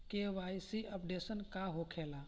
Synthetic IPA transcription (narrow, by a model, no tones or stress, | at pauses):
keʋajsiʔəpɖesənkaɦokʰela